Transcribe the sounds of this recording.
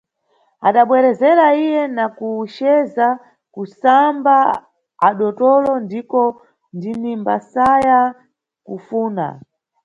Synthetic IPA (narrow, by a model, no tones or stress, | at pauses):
aɗaɓwɛɾɛzɛɾaijɛnakuʃɛza | kusamba | aɗɔtɔlɔndikɔ | ndinimbasaja | kufuːna̰